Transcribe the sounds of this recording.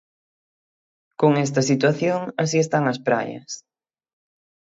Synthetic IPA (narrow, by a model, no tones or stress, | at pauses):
koŋɛs̬t̪ɐsit̪waθjoŋas̬iest̪aŋɐspɾa̰jɐ̰s